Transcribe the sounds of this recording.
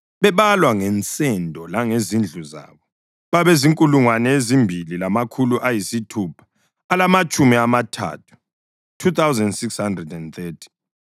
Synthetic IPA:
βɛβalwaŋɛnt͡sʼɛndʱɔlaŋezind͡ɮʱuza̰ːβɔ | βaβeziŋkʼuluŋwanɛezimbʱililamakʰuluʔajisitʰupʰḁː | lamat͡ʃʼumiamatʰa̰tʰu̥ | tʰut̪awzɛndsikshandrɛdɛnt̪ɛtʰi̥

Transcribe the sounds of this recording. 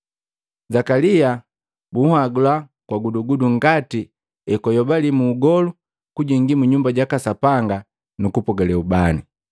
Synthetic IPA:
zakalia | buhaɡulakwaɡuduɡuduŋ̩ɡati | ɛkɔjɔbalimuːɡɔlu | kuɟɛŋɡimuɲumbaɟakasapaŋɡa | nukupɔɡɛlɛubani

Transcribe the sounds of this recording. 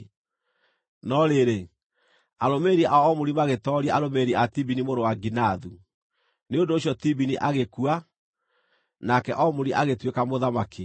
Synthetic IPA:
nɔɾeɾe | aɾomeɾiaʔaɔmoɾimaɣetɔɾiaaɾomeɾiatibinimoɾowaɡinaðu | neondoːɕjɔtibiniʔaɣekua | nakɛʔɔmoɾiʔaɣetwekamoðamake

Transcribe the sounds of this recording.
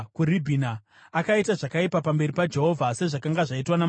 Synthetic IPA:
kuribʱina | akaitaʐakaipapambe̞ɾipad͡ʒe̞ɦo̞vʱase̞ʐakaŋɡaʐaitwanam

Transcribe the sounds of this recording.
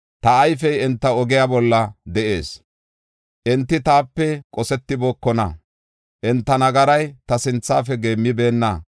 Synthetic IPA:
t̪ɐːjfɛjɛnt̪ːɐɔɡɪjaːbɔlːɐd̪ɛʔḛːs | ʔɛnt̪ːɪt̪aːpːɛkʼɔsɛt̪ːɪbɔːkːɔnɐ̰ | ʔɛnt̪ːɐnɐɡɐɾɐjt̪ɐsɪnt͡sːaːfɛɡe̞ːmːɪbe̞ːnːɐ̰

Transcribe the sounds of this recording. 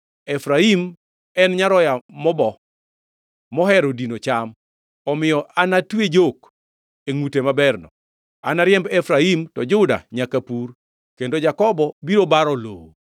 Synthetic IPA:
ɛfɾaim | ɛnɲaɾɔjamɔbɔ | ɔɦɛɾodinot͡ʃam | ɔmɪjɔʔanatwed͡ʒok | eŋutemabɛrnɔ̰ | anaɾɪjɛmbɛfɾaimtɔd͡ʒʊda̰ɲakapur | kendod͡ʒakɔbɔbiɾobaɾɔlo̰wo

